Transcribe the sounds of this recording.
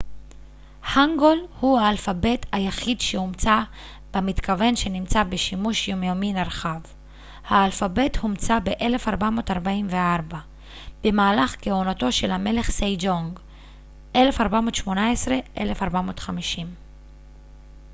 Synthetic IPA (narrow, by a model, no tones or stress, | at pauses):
haŋɡo̞lhuhaːlfabe̞thajaχid̪ʃeumt͡sa | b̥emit̪kave̞nʃe̞nimt͡sabe̞ʃimuʃjomjominaʁχav | haːlfabe̞thumt͡sabeʔe̞le̞faʁbamo̞taʁbaimveaʁba | b̥e̞maːlaχkeonato̞ʃe̞lhame̞le̞χsejd͡ʒoŋɡ | ʔe̞le̞faʁbamo̞ːtʃmo̞naesʁe̞ʔe̞̰le̞faʁbamo̞ːt̪χamiʃim